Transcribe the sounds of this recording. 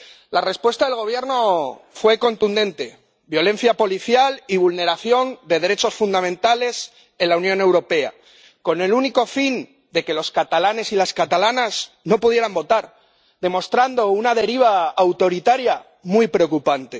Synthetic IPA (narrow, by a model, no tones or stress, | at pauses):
lare̞spwe̞st̪aðelɣ̞o̞β̞je̞ɾno̞fwe̞ko̞nt̪und̪ẽ̞nt̪e̞ | bjo̞lẽ̞n̟θjapo̞liθjaliβ̞ulne̞ɾaθjo̞nd̪e̞ð̞eɾe̞t͡ʃo̞sfund̪amẽnt̪ale̞s | e̞nlaunjõ̞ne̞wɾo̞pe̞a̰ | ko̞ne̞luniko̞fin | d̪e̞ke̞loskat̪alane̞silaskat̪alanas | no̞puðje̞ɾambo̞t̪aɾ | ðe̞mo̞st̪ɾand̪o̞unaðe̞ɾiβ̞aːwt̪o̞ɾit̪aɾja | mwuijpɾe̞o̞kupant̪e̞